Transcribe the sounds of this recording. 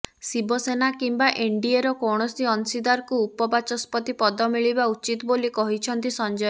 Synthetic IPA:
sibɔsenakimbaʔeɳɖieɾɔkɔɽ̃ɔsiɔnsid̪aɾkuːpɔbat͡ʃɔspɔt̪ipɔd̪ɔmiɭibaut͡ʃit̪ɔbolikɔɦit͡ʃʰɔnt̪isɔnd͡ʒɔj

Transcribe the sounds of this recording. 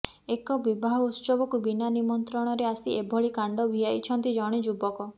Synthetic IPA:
ekɔbibʱaɦɔut̪sɔbɔkubinanimɔnt̪ɾɔɽ̃ɔɾeasiebʱɔɭikaɳɖɔbʱiajt͡ʃʰɔnt̪id͡ʒɔɽ̃id͡ʒubɔkɔ

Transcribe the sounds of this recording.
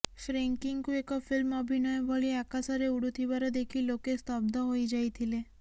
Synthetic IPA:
ʃɾeŋkiŋɡkuekɔpʰilmɔbʱinɔjɔbʱɔɭiakasɔɾeuɽut̪ʰibaɾɔd̪ekʰilokest̪ɔbd̪ɔɦojd͡ʒajt̪ʰile

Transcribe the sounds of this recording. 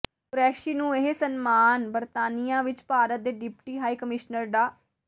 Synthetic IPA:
kʊɾɛːʃiːnũːeɦsənmaːnbəɾt̪aːnijãːʋɪt͡ʃpaːɾət̪̚d̪eːɖɪpʈiːɦaːiːkəmɪʃnəɾɖaː

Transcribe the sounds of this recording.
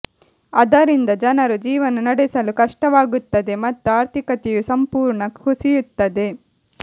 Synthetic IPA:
ɐd̪ɐɾind̪ɐd͡ʒɐnɐɾud͡ʒiːʋɐnunɐɽɛsɐlukɐʂʈɐʋaːɡut̪ːɐd̪e̞mɐt̪ːuaːɾt̪ʰikɐt̪ɛjusɐmpuːɾɳɐusijut̪ːɐd̪e̞

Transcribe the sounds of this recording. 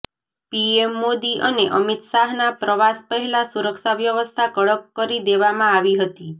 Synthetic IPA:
piemːod̪iʔəneʔʌmit̪saɦnapɾɔʋaspəɦilasuɾəksaʋjəʋəst̪ʰakɔɽəkːɔɾid̪eʋamãaʋiɦət̪i

